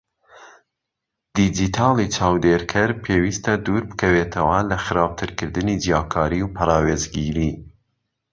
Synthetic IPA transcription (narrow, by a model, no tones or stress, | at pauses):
d̪̥id͡ʒit̪ʰɑːlit͡ʃʰɑːwd̪eːɾkʰɐɾpʰeːwiːst̪ɐd̪uɾbɨ̥kʰɐweːt̪ʰɐwɐlɐxɨɾɑːb̚t̪ʰɨɾkɨɾd̪ɨnid͡ʒijɑːkʰɑːɾiwpʰɐɾɑːweːzɡiɾiː